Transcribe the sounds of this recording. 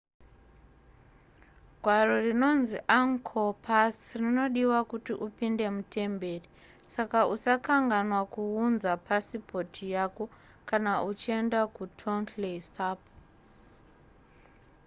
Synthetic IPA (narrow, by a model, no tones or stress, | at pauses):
ɡʱwaro̞rino̞nziʔaŋkʰopʰasrino̞ɗiwakutiʔupinde̞mutʰe̞mbe̞ːri | sakausakaŋɡanwakuunzapʰasipo̞tʰijako̞ | kanaʔut͡ʃie̞ndakutʰontlesaːp